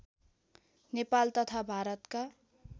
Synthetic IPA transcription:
nepalt̪ʌt̪ʰabʱaɾʌt̪ka

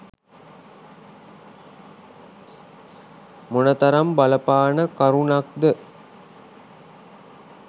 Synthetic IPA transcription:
munət̪ɐɾambaləpaːnəkaɾunak̚d̪ə

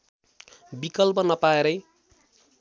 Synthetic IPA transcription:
bikʌlpʌnʌpaeɾʌj

